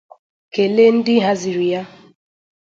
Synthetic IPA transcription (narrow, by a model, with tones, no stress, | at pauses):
ke˨le˦n̩˦dɪ˦ɦa˦zi˨ɾi˨ja˦